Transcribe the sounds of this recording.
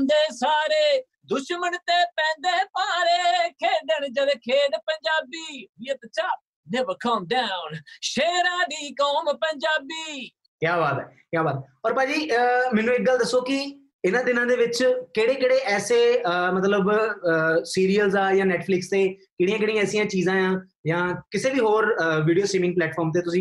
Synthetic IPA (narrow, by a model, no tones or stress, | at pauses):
nd̪eːsaːɾeː | d̪ʊʃməɳt̪eːpɛ̃ːnd̪eːpaːɾeːkʰeːɖ̪ənd͡ʒəleːkʰeːd̪pəɲd͡ʒaːbiːiət̪ət͡ʃaː | neʋəkʰəːmɖ̪aːʊnʃeːɾãːd̪iːkɔːmpəɲd͡ʒaːbiː | kjaːbaːt̪ɛː | kjaːbaːt̪ɔːɾpãːd͡ʒiːəmɛːnũːɪk̚ɡəld̪əsːoːkɪ | ɪnãːd̪ɪnãːd̪eːʋɪt͡ʃkeːɽeːkeːɽeːʔɛːseːmət̪ləb | siːɾiːəlzaːjãːnɛːʈpʰlɪkst̪eːkeːɽiːãːkeːɽĩãɛːsijãːt͡ʃiːzãːjãː | jãːkɪseːʋiːɦoːɾʋiːɖijoːsɾiːmɪ̃ŋɡplɛːʈfʰɔːɾmt̪̬eːt̪ʊsĩː